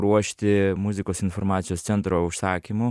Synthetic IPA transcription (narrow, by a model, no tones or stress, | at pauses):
ɾuɔʃt̪ʲɪmuzʲikosinfoɾmaːsʲijost̪sʲɛnt̪ɾouʃsaːkʲimu